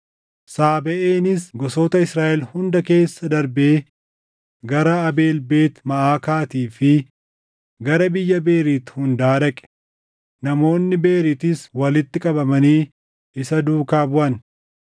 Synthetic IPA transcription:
saːbɛʔeːnɪsɡɔsoːt̪ɐɪsɾaːʔɛlhʊnd̪ɐke̞ːsːɐd̪ɐɾbeː | ɡɐɾɐːbe̞ːlbe̞ːt̪mɐʔaːkaːt̪iːfɪ | ɡɐɾɐbɪjːɐbe̞ːɾiːt̪hʊnd̪aːɾɐkʼɛ̥ | nɐmo̞ːnːɪbe̞ːɾit̪ɪswɐlɪt̪ːɪkʼɐbɐmɐniː | ɪsɐd̪uːkaːbʊʔɐn

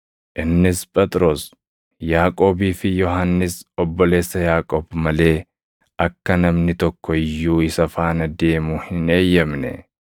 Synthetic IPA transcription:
ʔɪnːɪspʼɛt̪ʼɾo̞ːs | jaːkʼo̞ːbiːfɪjɔɦanːɪsɔbːɔle̞ːsːɐjaːkʼɔːbmɐle̞ː | ɐkːɐnɐmnɪt̪ɔkːɔɪjːuːɪsɐfaːnɐd̪e̞ːmuːhɪne̞ːjːɐmnɛ̰

